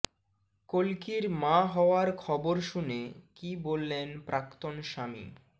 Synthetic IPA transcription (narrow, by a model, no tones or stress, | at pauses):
kolkiɾmãɦɔoaɾkʰɔboɾʃunekibolːenpɾʔakt̪onʃamḭ